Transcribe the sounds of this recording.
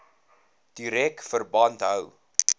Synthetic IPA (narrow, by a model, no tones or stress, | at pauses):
d̥iɾɛkfərbɐntɦəw